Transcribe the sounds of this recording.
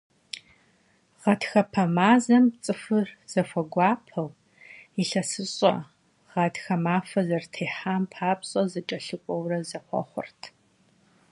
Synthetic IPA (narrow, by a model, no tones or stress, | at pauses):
ʁɐtxɐpʰɐmaːzɐmt͡sʼɨfɨrz̥ɐfʷɐɡʷɑːpʰɐw | iɬɐsɨɕʼɐ̰ | ʁ̥ɐtxɐmaːfɐzɐrtʰeːħaːmpʰaːpɕʼɐzɨt͡ʃʼɐɬɨkʷʼɔwrɐzɐχʷɔ̰χʷʊ̰rtʰ